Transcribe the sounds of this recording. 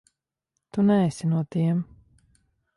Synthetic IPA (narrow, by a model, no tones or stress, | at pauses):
t̪unɛɛsʲinuɔt̪iɛm